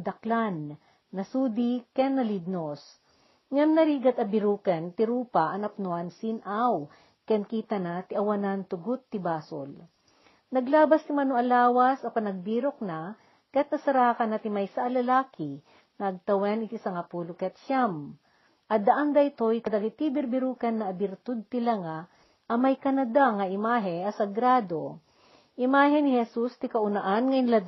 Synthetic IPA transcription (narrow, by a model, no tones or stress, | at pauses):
d̪ɐklanː | ɐsuːd̪ikɛnːɐlid̪̚nos | ŋɐmnɐɾiːɡɐt̪ɐbɪɾuːkɛnt̪ɪɾuːpaʔɐnɐp̚noʔansinʔaw | kɛnkiːt̪ɐnat̪ɪʔɐwɐnant̪ʊɡʊt̪ːɪbaːso̰l | nɐɡlaːbɐst̪ɪmɐnoʔɐlaːwɐsɐpɐnɐɡ̚biːɾok̚na | kɐjat̪nɐsɐɾaːkɐnɐt̪ɪmajsaʔɐlɐlaːkɪ | ŋɐʔɐɡ̚t̪ɐwɛnɪt̪isɐŋapuːlʊkjat̪ʃam | ʔɐd̪ɐʔand̪ɐjt̪ojkɐd̪aɡit̪ibɪɾbɪɾuːkɐnːɐːbɪɾt̪ʊd̪̚t̪ɪlaŋa | ʔɐmɐjkɐnɐd̪aŋɐʔɪmaːɦɛʔɐsɐɡɾaːd̪o | ʔɪmaːɦɛnɪhɛsust̪ɪkɐʔʊnaʔanŋɐnla